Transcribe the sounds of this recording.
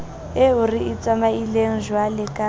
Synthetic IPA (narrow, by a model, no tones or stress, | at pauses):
euriit͡sʼamaileŋ̩ʒwalɪkʼa